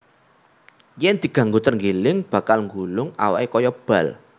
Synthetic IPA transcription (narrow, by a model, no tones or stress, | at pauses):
jɛnd̪̥i̤ɡ̥ä̤ŋɡot̪ərŋɡelɪŋb̥ä̤kalŋɡulʊŋa̰wa̰ʔekɔjɔb̥ä̤l